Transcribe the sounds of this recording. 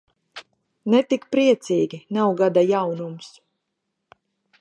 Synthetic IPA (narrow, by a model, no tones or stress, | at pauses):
nɛt̪ikpɾiɛt̪siːɡʲinawɡad̪ajawnums